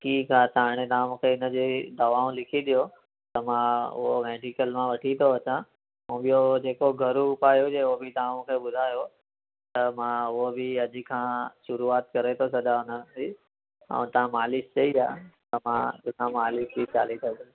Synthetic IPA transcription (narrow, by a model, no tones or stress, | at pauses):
kiːkasaːɽ̃et̪aõkʰeɪnəd͡ʑed̪ɐʋaːõlɪkʰiɗ̪ijo | t̪ɐmãʊ̰ɦomɛːɖikəlmãʋɐʈʰit̪ʰoɐt͡ɕã | ɦũːɓɪjod͡ʑeːkoɡʱɐɾuʊpaːjod͡ʑeobʱɪt̪aõkʰeːɓʊd̪ʱaːjo | t̪ɐmãʊɦobʱɪɐd͡ʑikʰãʃʊɾuaːt̪kɐɾet̪ʰosɐd̪aʊnəi | ə̰̃t̪ɐʋ̤ãmaːlɪst͡ɕɐiaːt̪ɐmã̰t̪ʊkʰãmaːlɪsbit͡ɕa̰ːlisʰɐɡɪ